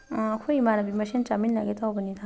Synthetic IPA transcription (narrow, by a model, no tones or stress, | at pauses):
ãakʰoimanabimaʃit͡ʃaminːaɡetabənita